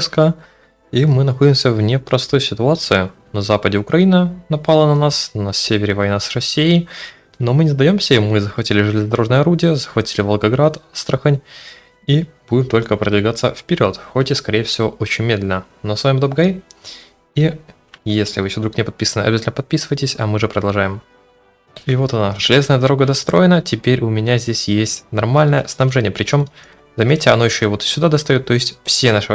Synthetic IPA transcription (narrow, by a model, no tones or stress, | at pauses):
skə | imɨnɐxo̞dʲɪmsʲəvnʲɪpɾɐst̪ojʊsʲɪt̪ʊat̪sɨjʊnɐzapədʲɪʊkɾɐinənɐpalˠənɐnasnɐsʲevʲɪɾʲɪvɐjnasrɐsʲːijɪj | no̞mɨnʲɪzd̪ɐjo̞msʲəimɨzəxvɐtʲilʲɪʐɨlʲɪzəd̪ɐɾo̞ʐnəjəɐɾudʲɪjəzəxvɐtʲilʲɪvəlˠɡɐɡɾat̪st̪ɾəxənʲ | i | b̥udʲɪmt̪o̞lʲkəpɾəd̪vʲɪɡat̪sə̰fpʲɪɾʲo̞t̪xotʲɪskɐɾʲejəfsʲɪvo̞ʔot͡ɕɪnʲmʲed̪lʲɪnə | nosvaimd̪op̚ɡa | i | jesʲlʲɪvɨjɪɕod̪ɾuknʲɪpɐt̪pʲisənəɐ̰bʲɪzatʲlnəpɐt̪̚pʲisɨvəjtʲɪsʲɐmɨʐɨpɾəd̪ɐlˠʐajɪm | ivo̞t̪ɐnaʐ̥ɨlʲe̞znəjəd̪ɐɾo̞ɡəd̪ɐst̪ɾo̞jɪnətʲɪpʲeɾʲʊmʲɪnʲazʲdʲesʲjesʲtʲnɐrmalʲnəjəsnɐbʐɛnʲɪjəpɾʲɪt͡ɕo̞m | zɐmʲetʲːɪɐno̞jɪɕːoɪvot̪sʲʊd̪ad̪ɐst̪ɐjot̪ːo̞jɪsʲtʲfsʲenaʂɨ